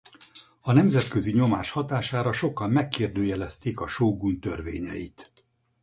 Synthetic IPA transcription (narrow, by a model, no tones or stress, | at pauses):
ɒnɛmzɛt̪køziɲo̞maːʃhɒt̪aːʃaːɾɒʃo̞kːɒmmɛkːeːrd̪øːjɛlɛst̪eːkɒʃoːɡunt̪ørvḛːɲɛ̰jḭt̪